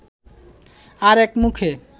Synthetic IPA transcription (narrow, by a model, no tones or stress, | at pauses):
aɾekmukʰe